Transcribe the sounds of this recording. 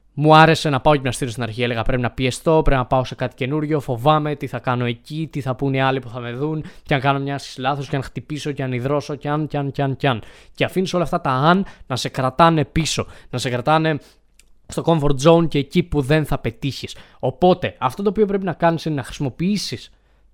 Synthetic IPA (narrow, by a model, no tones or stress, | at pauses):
muɐɾe̞se̞nɐpɐoceimɲɐst̪iɾost̪inɐɾçieleɣɐpɾe̞pinɐpie̞st̪o̞pɾe̞pinɐpɐo̞se̞kɐt̪i̥ce̞nuɾʝo̞fo̞vɐme̞t̪iθɐkɐno̞e̞cit̪iθɐpuniɐlipuθɐme̞ðunceɐŋkɐno̞mɲɐsi̥slɐθosceɐnxt̪ipiso̞ceɐniðɾo̞so̞ceɐnceɐnceɐnceɐnceɐfinisolɐft̪ɐt̪ɐɐnnɐse̞kɾɐt̪ɐne̞piso̞nɐse̞kɾɐt̪ɐne̞ | st̪o̞ko̞ɱfo̞ɾd͡zo̞unceːcipuðe̞nθɐpe̞t̪içis | o̞po̞t̪e̞ɐft̪o̞t̪oːpiop̬ɾe̞p̬inɐkɐnisinenɐxɾisimo̞piisis